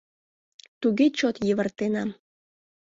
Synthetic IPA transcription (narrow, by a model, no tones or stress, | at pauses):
t̪uɣet͡ɕot̪jəβərt̪enɑm